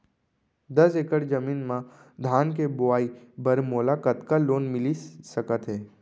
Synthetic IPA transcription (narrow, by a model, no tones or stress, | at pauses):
d̪ɐsekəɽd͡ʒəmiːnmã | d̪ʱaːnk̬ebʊaːibəɾmoːlakət̪kaloːnmɪlisəkət̪ɦɛː